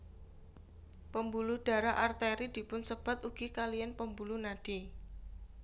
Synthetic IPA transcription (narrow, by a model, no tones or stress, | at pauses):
pəmbuluɖ̥a̤ɾaʔart̪eɾid̪̥i̤pʊnsəb̥a̤t̪uɡ̥ikalijanpəmbulunad̥i